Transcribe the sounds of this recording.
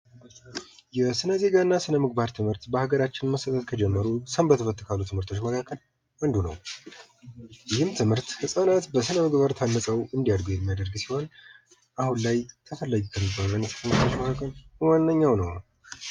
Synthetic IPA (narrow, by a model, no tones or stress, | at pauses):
jɛsɨnəze̞ɡanːasɨnəmɨɡ̚baɾt̪ʰɨmhɨɾt̪bəhaɡəɾat͡ʃːɪnməsət̪ʰət̪kʰəd͡ʒɛmːəɾusəmbət̪ʰəfət̪ːɨkʰalːut̪ʰɨmhɨɾt̪ʰo̞t͡ʃːməkʰakʰːəl | and̪unə̰w | jɪhɨmt̪ʰɨmhɨɾt̪hɨsʼanat̪bəsɨnəmɨɡbaɾt̪ʰanːəsʼəwɨnd̪ijadɡujɛmːijad̪əɾɡsiho̞n | ʔahunlajt̪ʰəfəlːəɡukʰəmibːalunɛsə̥t̪ʰɨmɨɾt̪ʰo̞t͡ʃːməkʰakːəlwanːəɲːawnəw